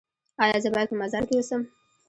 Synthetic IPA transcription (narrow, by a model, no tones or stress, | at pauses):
ɑjɑzəbɑjad̪̚pəmazɑɾkewəsəm